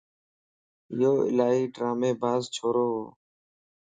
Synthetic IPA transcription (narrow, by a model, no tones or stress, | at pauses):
joːɪ̰laːɦiːɖɾaːmeːbʱaːzt͡ʃʰoːɾoːɦoː